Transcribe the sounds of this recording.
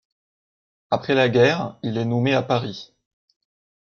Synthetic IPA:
apχɛlaɡʲɛʁilɛnɔmeapaʁi

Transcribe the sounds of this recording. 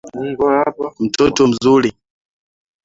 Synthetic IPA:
m̩tɔtɔm̩zuli

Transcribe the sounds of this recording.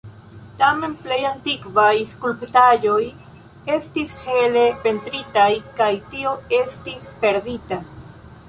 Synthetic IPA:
t̪amenplejant̪ikvajskulpt̪aʎoj | e̞st̪isxelepent̪ɾit̪ajkajt̪ioest̪ispe̞ɾðit̪a

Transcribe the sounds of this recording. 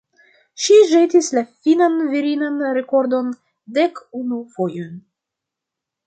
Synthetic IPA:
ʃiʒetislafinanviɾinanɾe̞ko̞ɾdo̞n | de̞kunufo̞jon

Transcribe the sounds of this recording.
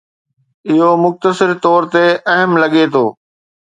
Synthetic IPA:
ɪɦomʊxt̪əsɪɾt̪ɔːɾt̪eɐɦəmlɐɠet̪ʰoː

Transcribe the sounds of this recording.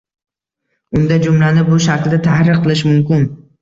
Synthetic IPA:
ʊnd̪ad͡ʒʊmlanɪbʊʃakʲlɪd̪at̪ʰahɾɨqʰːɨlˠɪʃmʊmkʲɪn

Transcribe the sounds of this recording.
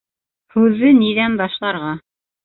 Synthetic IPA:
hʉðɘniðænbɑʃlˠɑɾʁɑ

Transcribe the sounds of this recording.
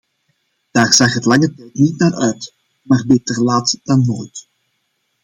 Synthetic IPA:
d̥aːrz̥ɑχɦətlɑŋətɛjtnitnaːrœɥt | maːrbetərlaːtd̥ɑnːoːjt

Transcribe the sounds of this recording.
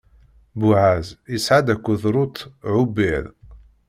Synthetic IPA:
bʊʕazəsʕad̪ækʷːuðɾˤʊt̪ʕubið

